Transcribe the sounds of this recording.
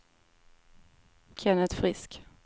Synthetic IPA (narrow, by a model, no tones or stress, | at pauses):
kʰɛnət̪fɾɪsk